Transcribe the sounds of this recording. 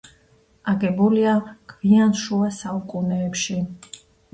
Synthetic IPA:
aɡɛbuliaɡ̥vianʃuasaukʼunɛːpʃi

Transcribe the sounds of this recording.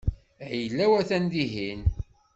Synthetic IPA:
æjəlːæwæθænd̪iɦin

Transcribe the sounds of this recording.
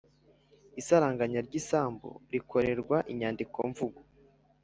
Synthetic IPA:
isaɾaːŋɡaɲaɾɟisaːmbo̰ɾikʰo̞ɾe̞ɾɡwaʔiɲaːndiko̞̰ɱvuɡo

